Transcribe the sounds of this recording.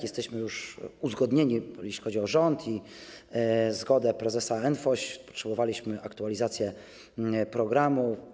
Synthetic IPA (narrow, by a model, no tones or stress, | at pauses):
jɛst̪ɛɕmɘjuʂuzɡɔd̪ɲeɲijɛɕlʲixɔd͡ʑiɔʐɔnt̪ʰi | zɡɔd̪ɛpɾɛzɛsaɛnfɔɕpɔ̥tʂɛbɔvalʲiɕmɘʔakt̪ualʲizat̪sʲjɛ | pɾɔɡɾamu